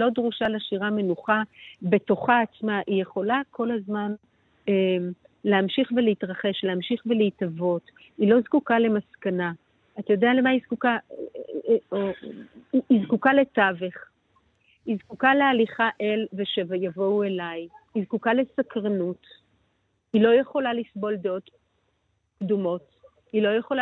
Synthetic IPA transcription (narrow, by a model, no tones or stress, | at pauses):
lo̞dʁuʃalaʃiʁame̞nuχabe̞to̞χaːt͡smaʔije̞χo̞lakʰo̞lazman | em | leamʃiχve̞leitʁaχe̞ʃleamʃiχve̞leitavo̞t | ilo̞zkukale̞maskana | at̪ajo̞deale̞maizkuka | oiizkukale̞taveχ | izkukalealiχaʔelveʃevjavo̞we̞lajizkukale̞sakʁanut | ilo̞jeχo̞lalisbo̞ld̪eo̞t | kdumo̞t | ilo̞jeχola